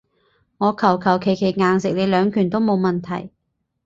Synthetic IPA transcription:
ŋɔː˨˧kʰɐ˨˩wkʰɐ˨˩wkʰe˨˩jkʰe˨˩jŋaː˨ŋsɪ˨k̚le˨˧lœː˨˧ŋkʰyː˨˩nt̪o˥wmo˨˧wmɐ˨nt̪ʰɐ̰˨˩j

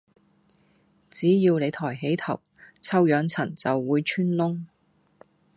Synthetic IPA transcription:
t͡siː˨˥jiː˧wne˨˧jt̪ʰɔː˨˩jɦe˨˥jt̪ʰɐ˨˩w | t͡sʰɐ˥wjœː˨˧ŋt͡sʰɐ˨˩nt͡sɐ˨wːuː˨˧jt͡ʃʰyː˥nlʊ˥ŋ

